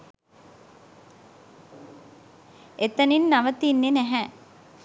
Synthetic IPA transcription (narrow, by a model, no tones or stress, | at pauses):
et̪əninːaʋət̪inːenæɦæ